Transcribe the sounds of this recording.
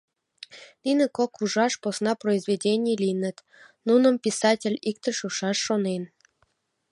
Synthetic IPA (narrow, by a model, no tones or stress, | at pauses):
ninʲə̆kokuʒɑʃposnɑproizvʲedʲenʲijlʲijnə̆t̪ | nunə̆mpʲisɑtʲelʲik̚t̪ə̆ʃuʃɑʃːonen